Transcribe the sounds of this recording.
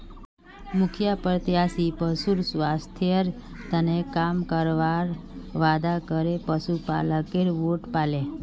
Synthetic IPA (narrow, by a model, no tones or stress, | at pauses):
mʊkʰjapəɾt̪jasipəsuɾsʋast̪ʰjəɾ | t̪ənekamkəɾʋaɾʋad̪akəɾepəʃupa̰ləkeɾʋoʈpale